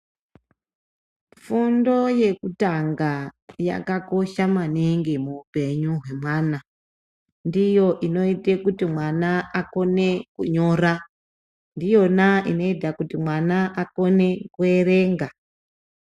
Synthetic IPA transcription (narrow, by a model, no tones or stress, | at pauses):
fundo̞je̞kutaŋɡaja̰kako̞ʃamaniŋɡimuupe̞ɲuɦwe̞mwaːna | ndijo̞ʔino̞itekutimwanaako̞ne̞kuɲo̞ɾa | ndijo̞naino̞itakutimwanaʔako̞ne̞kue̞ɾe̞ŋɡa